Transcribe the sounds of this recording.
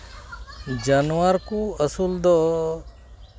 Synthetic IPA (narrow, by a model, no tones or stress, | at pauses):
d͡ʒanʋaɾkuəsuld̪ɔ